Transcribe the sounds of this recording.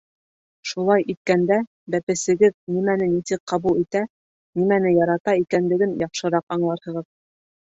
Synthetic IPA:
ʃulˠɑjʔit̪̚kænd̪æ | bæpɘ̆sɘ̆ɡɘðnimænɘnisɘk̚qɑβulˠit̪æ | nimænɘjɑɾɑt̪ɑikænlɘ̆ɡɘnjɑqʃɤ̆ɾɑqɑɴlˠɑɾhɤ̆ʁɤð

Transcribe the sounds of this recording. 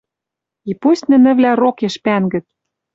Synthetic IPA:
ipusʲt̪ʲnɘ̆nɘ̆vlʲærokeʃpænɡɘ̆t̪̚

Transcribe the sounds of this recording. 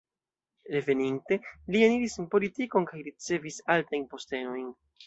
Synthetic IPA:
ɾe̞ve̞ninte̞lieniɾisenpo̞litiko̞nkajɾit͡se̞visaltajnpo̞ste̞no̞jn

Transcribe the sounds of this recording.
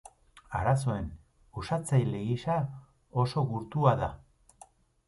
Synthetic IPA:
aɾas̬o̞e̞n | usat͡sajleɣiʃa | o̞so̞ɣuɾt̪uaða

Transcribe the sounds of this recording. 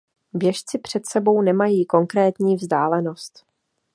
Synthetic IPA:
bjɛʃt͡sɪpr̝̥ɛt̪sɛbo̞wnɛmajiːko̞ŋkɾɛːt̪ɲiːvzdaːlɛno̞st̪

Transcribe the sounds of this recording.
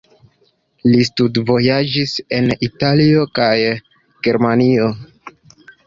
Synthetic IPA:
listudvo̞jad͡ʒise̞nitalio̞kaj | ɡ̥e̞ɾmanio̞

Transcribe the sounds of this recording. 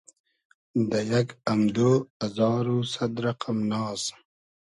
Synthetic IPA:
d̪ajaɡamd̪oːazɑːɾusad̪ɾaqamnɑːs

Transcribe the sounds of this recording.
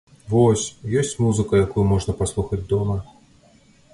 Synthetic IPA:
vɔsʲjɔsʲt͡sʲmuzɨkɐjakujumɔʐnɐpaslˠuxɐd͡zʲd̪ɔmɐ

